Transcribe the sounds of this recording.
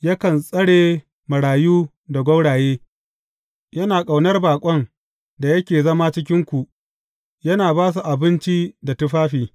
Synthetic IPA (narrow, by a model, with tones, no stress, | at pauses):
jɐ˦kɐ˨nsʼɐ˦ɽeː˨ | mɐ˨ɽaː˨juː˦ | da˨ɡʷɐ˦wɽaː˨jeː˦ | jɐ˦naː˨kʼa˨wnɐ˦rbaː˨kʷʼɔ˦ŋ | da˨jɐ˦kʲeː˨zɐ˦maː˦t͡ʃɪ˦k̬ʲɪ˦ŋkʷu˨ | jɐ˦naː˨baː˦s̬u˨ʔa˨bɪ˦nt͡ʃi˦da˨tʊ˦ɸaː˦ɸiː˨